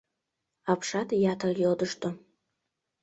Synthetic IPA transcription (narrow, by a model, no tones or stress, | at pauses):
apʰʂatʰjatʰaljɪldɨʂtʰʼo